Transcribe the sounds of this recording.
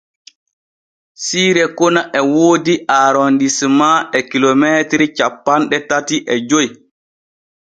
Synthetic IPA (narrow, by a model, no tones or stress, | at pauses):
siːɾɛkɔnaʔɛwoːdiʔaːɾondismaɛkilomeːtɾit͡ʃapːanɗɛtatiʔɛd͡ʒoj